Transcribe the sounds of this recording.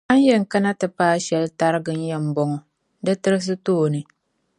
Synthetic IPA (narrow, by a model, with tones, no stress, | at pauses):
a˦n˦jɛ˦ŋ̩˨ka˦na˦tɨ˨paː˦ʃɛ˦lta˦ɾɨ˦ɡɨ˨n̩˦jɛ˦m̩˦bɔ˨ŋɔ˨ | dɨ˦tɨ˦ɾɨ˦s̬ɨ˦toː˦˨nɨ˨